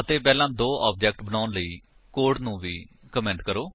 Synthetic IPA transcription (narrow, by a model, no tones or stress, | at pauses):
ət̪eːpɛːlãːd̪oːʔaːp̚d͡ʒɛːk̚ʈbənaːʊnləiː | koːɾɖnũːʋiː | kəmɛ̃ːɳʈkəɾoː